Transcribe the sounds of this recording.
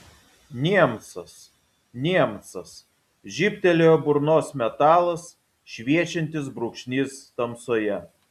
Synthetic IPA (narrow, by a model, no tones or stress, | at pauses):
nʲiɛmt̪sɐs | nʲiɛmt̪sɐs | ʒʲɪpʲt̪ʲɛlʲejoːbʊɾnoːsmʲɛt̪ɑːlˠɐs | ʃʲʋʲiɛt͡ʃʲɛnʲt̪ʲɪsbɾʊkʃʲnʲiːst̪ɐmsoːjɛ